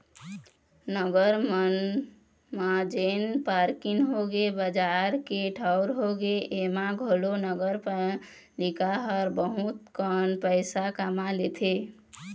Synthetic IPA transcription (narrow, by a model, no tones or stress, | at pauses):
nəɡəɾmən | mad͡ʒenpaɾkiŋɦoɡebəd͡ʒaɾkeʈʰaʊɾɦoɡeʔemaɡʱolonəɡəɾp | likaɦəɾbəɦut̪̚kənpəɪsakamalet̪ʰe